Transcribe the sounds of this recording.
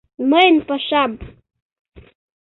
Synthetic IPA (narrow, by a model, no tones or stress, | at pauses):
mənpaʃam